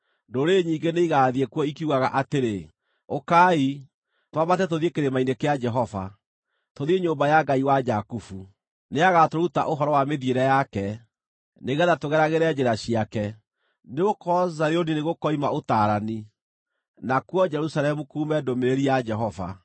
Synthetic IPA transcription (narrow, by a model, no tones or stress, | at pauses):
ndoɾeɲiːŋɡeneiɣaːðiekuɔikiuɣaɣaʔateɾe | okai | twamatɛtoðiekeɾemainekead͡ʒɛɦɔva̰ | toðieɲoːmbajaɡaiwad͡ʒakufu | neaɣatoɾuta̰ʔoɦɔɾɔwameðjeɾɛjakɛ | neɣɛðatoɣɛɾaɣeɾɛd͡ʒeɾaɕiakɛ | neokɔzaɾeonineɣokɔimaotaɾani | nakwɔd͡ʒɛɾusaɾɛmukuːmɛdomeɾeɾijad͡ʒɛɦɔva̰